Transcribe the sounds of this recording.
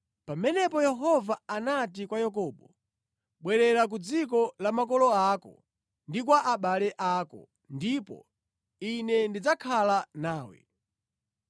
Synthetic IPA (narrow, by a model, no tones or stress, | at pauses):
pamɛnɛpɔjɛɦɔvaanatikwajak̬ɔɓɔ | ɓwɛɾɛɾak̬ud͡zik̬ɔlamak̬ɔlɔakɔ̰ | ndik̬waʔaɓalɛʔaːkɔ̰ | ndipɔ̰ | inɛndid͡zakʰalanaːwɛ̰